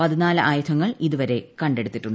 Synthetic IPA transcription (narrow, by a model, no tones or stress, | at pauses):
pɐðinaːlɨʔaːjut̪ʰɐŋːɐɭiðuʋɐɾe̞kɐɳɖe̞ɽut̪ːiʈːuɳɖ